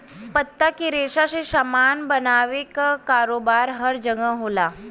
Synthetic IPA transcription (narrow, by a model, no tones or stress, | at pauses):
pət̪ːakiɾeːʃaseʃamaːnbənaːʋekakaːɾoːbaːɾɦəɾd͡ʒəŋə̃ɦoːlaː